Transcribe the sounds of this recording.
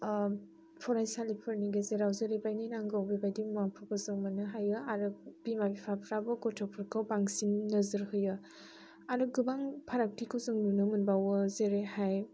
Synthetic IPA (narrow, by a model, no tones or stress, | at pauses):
pʰɔɾajsalipʰɯɾniɡezeɾawzeɾebajnijnaŋɡawbibajdimuapʰɯpɯzɯŋmanɯɦajɯaɾɯb̥imabipʰapʰɾabɯɡɔtʰɔpʰɯɾkʰɯwbaŋsinnɯzɯɾhɯjɯ | aɾɯɡɯbaŋpʰaɾak̚tʰikʰɯwzɯŋnunɯmɯnbawɯzeɾehaj